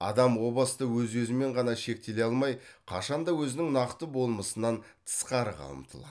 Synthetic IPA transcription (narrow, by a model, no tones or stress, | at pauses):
ɑ̰d̪ɑmwo̞bˠəst̪əwɵzwɵzɪme̞ɴʁɑnɑʃe̞k̚t̪e̞le̞ɑlˠmɑjqʰɑ̰ʃɑnd̪ɑwɵzɪnɪŋnɑqt̪əbo̞lˠməsənɑn | t̪ʰə̥sqɑɾəqʰɑ̰lˠə̰mt̪ʰə̰lˠɑ̰